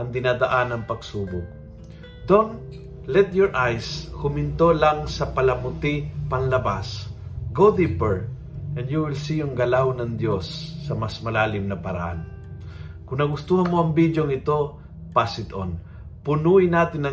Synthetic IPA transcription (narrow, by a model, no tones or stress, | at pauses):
ʔɐŋd̪ɪnaːd̪ɐʔanɐŋpɐɡsuːbʊk̚ | d̪on | lɛt̪̚jɔɹʔajskʊmɪnt̪o̞laŋsɐpɐlɐmʊt̪ipɐnlɐbas | ɡod̪ipɛɹ | ʔɛnjuwɪlsijʊŋɡɐlawnɐŋd̪josːɐmɐsmɐlaːlɪmnɐpɐɾɐ̰ʔa̰n | kʊŋnɐɡʊst̪uːhɐnmoʔɐŋbid͡ʒjoŋɪt̪o̞ | pasɪt̪on | pʊnuɪnaːt̪ɪnːɐ